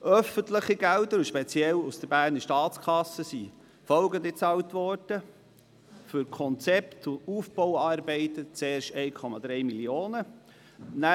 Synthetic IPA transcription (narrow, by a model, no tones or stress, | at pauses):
ʔœfəntləχiɡældəɾʊʃpɛt͡siɛlusd̥əɾbæːɾnəʃtɑːt͡skʰɑsːəsi | fɔlɡənd̪it͡sɑwtʋɔrd̥ə | fʏɾkʰɔnt͡sɛpt̪ʊuːfb̥ɔwɑːɾbɛɪt̪ət͡seːɾʃɛɪkʰɔmɑd̪ɾɛjmilioːnə | næ